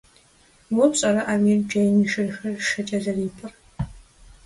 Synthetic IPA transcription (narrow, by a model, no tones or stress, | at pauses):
wɔɕʼɐɾɐʔaːmird͡ʒɐjniːʃɨrxɐrʂɐt͡ʃʼɐɮɐriːpʰɨr